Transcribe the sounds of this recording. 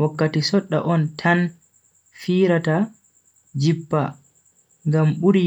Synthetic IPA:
wakːatisɔɗːa̰ʔɔntʰan | fiːɾata | d͡ʒipːa | ŋɡamɓuɾi

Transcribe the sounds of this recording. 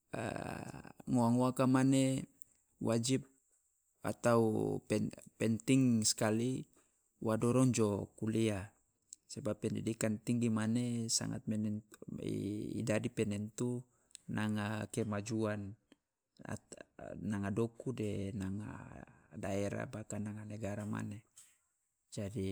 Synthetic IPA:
ŋoaŋoakamane | wad͡ʒip̚ | a̰t̪aupɛpɛnt̪iŋskali | wadɔɾɔŋd͡ʒɔkulia | sabapːɛndidikant̪iŋɡimanesa̰ŋa̰t̪̚mɛnɛn̰ | ḭdadipɛnɛnt̪u | naŋakɛmad͡ʒuan | a̰ː | aŋadɔkudɛnaŋa̰daɛɾa̰bakanaŋanaɡaɾama̰ne | d͡ʒadi

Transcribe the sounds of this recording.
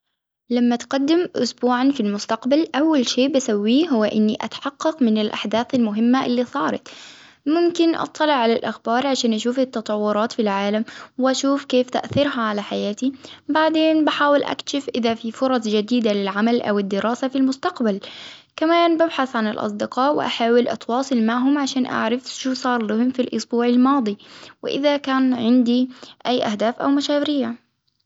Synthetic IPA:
lamːat̪qɑd̪ːɪmʔʊ̰sbuːʕanfilmʊst̪aqbalʔawːalʃeːʔbasawːiːɦʊwːaʔɪnːiʔa̰t̪ḁħɑqːɑqmɪnɪlʔa̰ħd̪aːθalmʊɦɪmːaʔɪlːiːsˤɑːɾˤɑ̰t̪ | mʊmkɪnʔɑ̰t̪ˤːɑlɪʕalalʔa̰xbɑːɾˤʕaʃaːnʔaʃuːfɪt̪ːɑt̪ˤɑwːʊɾˤɑːt̪filʕaːlamwɪʔaʃuːfkeːft̪a̰ʔθɪɾhaʕalaħajaːt̪ibaʕd̪eːnbaħaːwɪlʔa̰kʃɪfʔɪðafifʊɾˤɑsˤd͡ʒad̪iːd̪alɪlʕamalʔa̰wɪd̪ːɪɾɑːsafilmʊst̪aqbal | kamaːnbabħaθʕanɪlʔɑ̰sˤd̪ɪqɑːʔwɪ̰ʔa̰ħaːwɪlʔɑ̰t̪wɑːsˤɨlmaʕɦʊmʕaʃaːnʔa̰ʕɾafʃuːsˤɑːɾˤlʊhɪmːfilʔʊ̰sbuːʕalmɑːd̪ˤiwɪ̰ʔɪ̰ðakaːnʕɪnd̪iʔajːʔahd̪aːfʔa̰wmaʃaːwɪɾɪjːa

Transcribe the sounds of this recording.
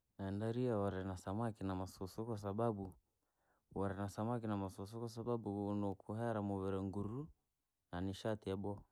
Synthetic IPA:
naɛndaɾiawɔɾɛnasamakinamasɔsɔkwas̬ababu | wɔɾɛnasamak̬inamasɔs̬ɔkwas̬aɓaɓunɔkʰuɦɛɾamɔβɛɾɛŋɡuɾu | naniʃatiɛbɔ

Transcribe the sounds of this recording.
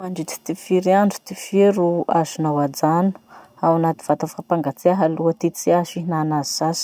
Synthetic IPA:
aɳɖ͡ʐit̪i̥t̪ifiɾiaɳɖ͡ʐu̥t̪ifiɾua̰zunawad͡zanu̥ | awanat̪i̥v̥at̪afapaŋɡat͡siaɦaluət̪it͡siazinanazizas

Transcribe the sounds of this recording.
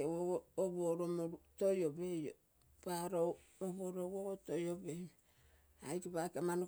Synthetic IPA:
ewoɡoːβoɾomoɾutojobejo | paɾo | oβoɾowoɡotojobej | ajkiβakeman

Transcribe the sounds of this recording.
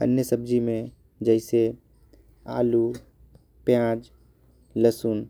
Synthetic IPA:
ə̰njəsəbd͡ʒimẽ | d͡ʒəɪse | a̰ːlu | pjãːd͡ʒ | ləsun

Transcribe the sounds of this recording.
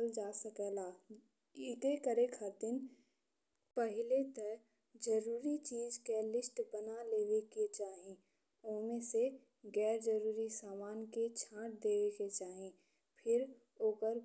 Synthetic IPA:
ld͡ʒaːsəkɛːlaː | ɪt̪ekəɾekʰəd̪ɪn | pəɦɪlet̪ə | d͡ʒəɾuːɾit͡ʃiːd͡ʒkelɪsʈbənaleːʋeket͡ʃaːɦĩ | ʊɦmẽse | ɡɛːɾd͡ʒəɾuːɾisaːmaːnket͡ʃʰãːʈ̚d̪eːʋeket͡ʃaːɦĩ | pʰɪɾ | oːkəɾ

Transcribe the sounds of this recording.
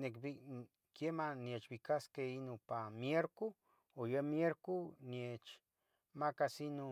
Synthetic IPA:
nekbi | kjemanjet͡ʃbikaskeinupamjeɾku | ojəmjeɾkunjet͡ʃ | makasinu

